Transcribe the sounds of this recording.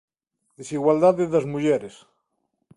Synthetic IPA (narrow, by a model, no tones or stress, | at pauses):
d̪esiɣwald̪aðeðazmuʝeɾes